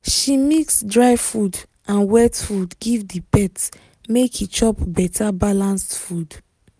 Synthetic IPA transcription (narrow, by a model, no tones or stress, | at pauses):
ʃimiksdɹajfud | ãnwɛtfudɡivdipɛt | mekit͡ʃɔpbɛtʰabalãnstfud